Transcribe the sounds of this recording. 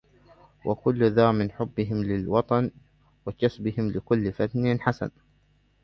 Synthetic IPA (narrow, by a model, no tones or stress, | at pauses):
wʔakʊlːðɑːmɪnħʊbːɪɦɪmlɪlwɑt̪ˤɑn | wakasbɪhɪmlɪkʊlːfat̪nɪnħasa̰n